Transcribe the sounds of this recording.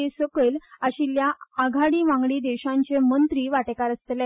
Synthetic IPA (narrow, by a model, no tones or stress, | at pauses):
esəkəlaɕiljaaɡʱaɽiːʋãŋɡɽiːd̪eɕãɲt͡ɕemənt̪ɾiːʋaʈekaɾəst̪la